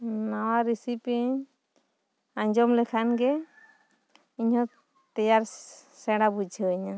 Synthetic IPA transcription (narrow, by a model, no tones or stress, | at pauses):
nawaɾisipiɲ | aɲd͡ʒɔmlɛkʰanɡɛ | iɲhɔ | t̪ɛjaɾsɛɽabud͡ʒʰəɲa